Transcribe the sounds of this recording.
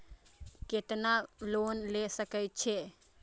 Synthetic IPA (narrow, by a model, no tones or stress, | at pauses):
ket̪nalonlesəkət͡ʃʰe